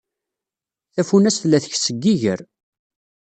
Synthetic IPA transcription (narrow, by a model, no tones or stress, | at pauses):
θæfunæsθlːæθəçsəɡːiʝə̰ɾ